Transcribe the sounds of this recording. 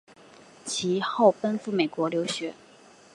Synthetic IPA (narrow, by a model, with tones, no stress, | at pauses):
t͡ɕʰi˧˥xo˥˩ʊpə˥nfu˥˩me˨˩ɪkwɔ˧˥ljo˧˥ʊɕɥɛ˧˥˦